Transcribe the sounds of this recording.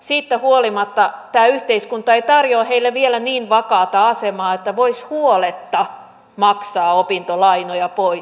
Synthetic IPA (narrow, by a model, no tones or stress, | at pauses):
siːt̪ːæhuolimɑt̪ːɑt̪æːyht̪eiskunt̪ɑeit̪ɑrjoːheilːeʋielæniːnʋɑkɑːt̪ɑɑsemɑːet̪ːæʋoishuolet̪ːɑ | mɑksɑːopint̪olɑinojɑpois